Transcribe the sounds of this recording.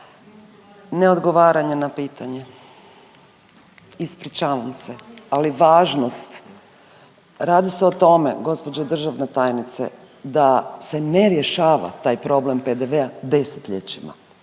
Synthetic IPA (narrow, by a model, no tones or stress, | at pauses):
ne̞o̞d̪ɡo̞ʋaːɾaɲenapiːt̪ʰaɲe | ispɾit͡ʃaːʋamse̞aliʋaːʒnost̪ | ɾaːd̪iseo̞t̪o̞mḛɡo̞spod͡ʑod̪r̩ʒaʋnet̪aːjnit̪sḛ | d̪ase̞ne̞ɾjeʃaːʋa̰t̪aːjpɾo̞ble̞mped̪eʋead̪e̞se̥t̪ʎet͡ɕima̰